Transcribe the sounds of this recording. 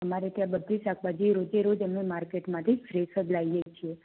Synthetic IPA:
əmaɾet̪jãbəd̪ʱʋisakʋad͡ʒiɾod͡ʒeɾod͡ʒemnemaɾkeʈmãt̪ʰifɾesəd̪laijet͡ʃʰie

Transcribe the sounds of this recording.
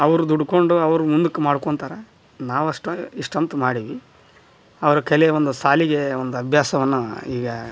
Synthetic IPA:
ɐʋɐɾud̪uɽuko̞ɳɖuɐʋɐɾumund̪ukːumaːɽkoɳt̪aːɾɐ | naːʋɐʂʈɐiʂʈɐmt̪umaːɽiʋi | ɐʋɐɾɐkɛleo̞nd̪usaːliɡe̞ond̪uɐbʱjaːsɐʋɐnːuiːɡɐ

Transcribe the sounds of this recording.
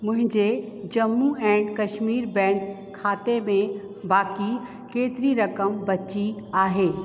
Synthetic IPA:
mʊ̃ɦɪ̃d͡ʒe | d͡ʒɐmːuɛ̃ːɳɖkɐʃmiːɾbɛ̃ːŋkʰː | aːt̪emẽ | baːki | keːt̪ɾiɾɐkəmbɐtːt͡ʃiaːɦeː

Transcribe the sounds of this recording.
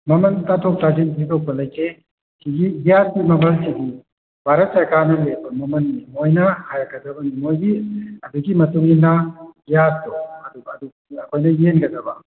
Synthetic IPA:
mɐmɐntatʰɔk̚tazinpʰidok̚bɐlɐjkʰe | kʰiɡibijaɾimɐmɐlsiɡi | bʱaɾɐt̚saɾkaɾnɐlebɐmɐmɐnimojnahajakadɐbɐnimojɡiɐduɡimɐtuŋinabijatɔɐduɐdu | ɐkʰojnɐjenɡɐdɐba̰

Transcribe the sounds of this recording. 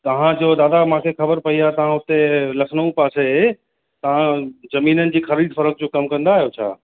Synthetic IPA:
t̪ɐɦãd͡ʑoːd̪aːd̪amãkʰexɐbəɾpɐiaːt̪ɐʋ̤ãɦʊt̪elɐkʰnəũpaːse | t̪ɐʋ̤ãzɐmiːnənɪ̆d͡ʑiːxɐɾiːd̪fɐɾək̚d͡ʑokɐmkɐ̃nd̪aːɦijot͡ɕʰa̰ː

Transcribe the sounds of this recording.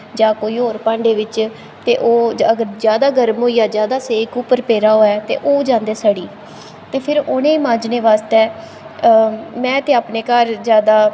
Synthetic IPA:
d͡ʒãːkoːiːɦoːɾpãːɳɖeːʋɪt͡ʃ | t̪eːʔoːəɡəɾd͡ʒjaːd̪aːɡəɾmɦoːiːaːd͡ʒjaːd̪aːseːkuːpəɾpeːɾaːɦoːɛːt̪ḛːʔoːd͡ʒãːnd̪eːsaɽiː | t̪eːpʰɪɾoːnẽːmãːd͡ʒneːʋaːst̪ɛː | mɛ̃ːt̪eːaːpneːkəɾd͡ʒjaːd̪aː

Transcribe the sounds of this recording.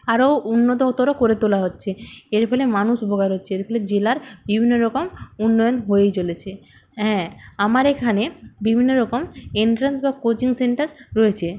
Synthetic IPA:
aɾounːot̪oot̪oɾokoɾet̪olaɦotːɕʰeeɾfʰɔlemanuʃubʱoɡaɾɦotːɕʰeeɾfʰɔled͡ʑelaɾbibʱinːoɾɔkomunːɔjonɦoejt͡ɕolet͡ɕʰe | ɦɛ̃amaɾekʰanebibʱinːoɾɔkomeɳʈɾensbakot͡ɕiŋseɳʈaɾːɔet͡ɕʰe

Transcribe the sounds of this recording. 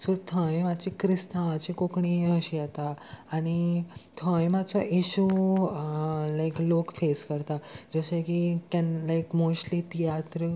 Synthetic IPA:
sot̪ʰə̃jmat͡ɕikɾist̪amat͡ɕikokɳiəɕijat̪aːɽ̃it̪ʰə̃jmat͡saʔiɕu | lajklokfeskəɾt̪ad͡zəɕekikɛnlajkmoɕlit̪ijat̪ɾə

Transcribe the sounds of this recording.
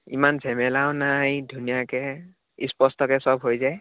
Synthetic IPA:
ḭmanzɛmɛlaʊnajdʱunijakɛ | ispɔstɔkɛsɔbɦojzaj

